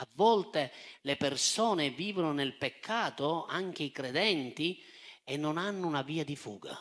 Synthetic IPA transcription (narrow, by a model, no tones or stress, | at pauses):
avːɔlt̪elɪpersɔːneviːvonʊnelpekʰːaːt̪ʊaŋk̟eikɾed̪ɛnt̪i | ɛnːʊnanːʊunaviːad̪ifṵːɡa̰